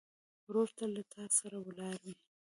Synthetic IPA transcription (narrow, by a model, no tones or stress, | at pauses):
ɾoɾt̪alat̪ʰɑsaɾawəlɑɾi